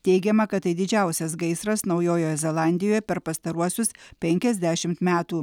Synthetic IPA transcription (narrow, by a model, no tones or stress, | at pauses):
t̪ʲɛɪɡʲɛmɐkɐt̪̚tːɐɪd̪ʲɪd͡ʒʲæˑʊsʲɛs̬ɡɐɪsɾɐsnɒʊjoːjoːjɛzʲɛlˠɑˑnʲd̪ʲɪjoːjɛpʲɛɾpɐst̪ɐɾuɔsʲʊspʲɛŋʲkʲɛzʲd̪ʲæːʃʲɪmt̪mʲæːt̪uː